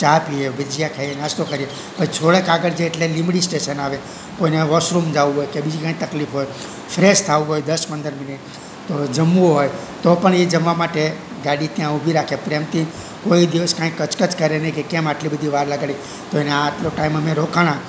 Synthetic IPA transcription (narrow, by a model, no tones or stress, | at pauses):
t͡ʃapieʋəd͡ʒijakʰaienast̪okəɾie | pət͡ʃʰoɭekaɡəɽd͡ʒeːʈlelimɽisʈeʃənaʋe | koineʋɔsɾumd͡ʒaʋuɦojkebid͡ʒikãĩk̚t̪əklifɦoj | fʰɾest̪ʰaũɦojd̪əspənd̪əɾmɪniʈ | t̪od͡ʒəmːuoɦoj | t̪opəɳed͡ʒəmʋamaʈe | ɡaɽit̪jãubʱiɾakʰepɾemt̪i | koid̪iʋəskãĩkːət͡ʃkət͡ʃkəɾenekekemaʈlibəd̪ʱiʋaɾləɡaɭi | t̪oeneaːʈloʈaiməmẽɾokʰaɽ̃ã